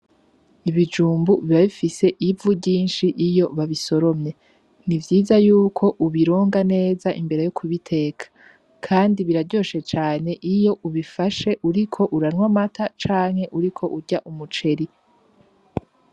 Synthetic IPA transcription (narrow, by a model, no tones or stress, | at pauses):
iβid͡ʒuːmbuβiβaβifise̞ʔivubɟiːnʃiʔijo̞βaβiso̞ɾo̞mɲe̞ | nivjiːzajuːkʰo̞ʔuβiɾo̞ːŋɡane̞ːzaʔimbe̞ɾe̞jokʰuβitʰe̞ːkʰḁ | kʰaːndiβiɾaɾɟo̞ʃe̞t͡ʃaːne̞ʔijo̞ʔuβifaʃe̞ʔuɾikʰo̞ʔuɾanŋwamatʰat͡ʃaːŋ̥he̞ʔuɾikʰo̞ʔuɟaʔumut͡ʃe̞ɾi